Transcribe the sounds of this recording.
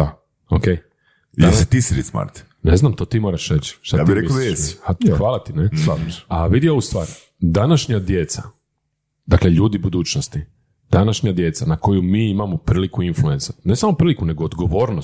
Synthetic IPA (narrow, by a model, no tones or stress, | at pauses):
a | okej | jaeset̪isiɾḛt̪sma̰ɾt̪ | neznamt̪o̞ːt̪iːmo̞ːɾaʃɾet͡ɕʃt̪aaiɾmiod̪ajeaxxʋaːlˠat̪ineaaʋid̪io̞ʋust̪ʋaːɾ | d̪anaʃɲad̪jet̪sa̰ | d̪akleʎuːd̪ibud̪uːt͡ɕnost̪i | d̪anaʃɲad̪je̞t̪sanako̞jumiːimamopɾiːlikuinflue̞nsanesamopɾiːlikuneɡood̪ɡoʋo̞ːɾno